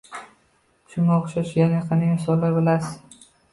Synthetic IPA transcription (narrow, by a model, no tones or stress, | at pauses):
t͡ʃʰʊmaoχʃaʃjanaqʰɑnajasɒlːaɾbɪlasɪ̥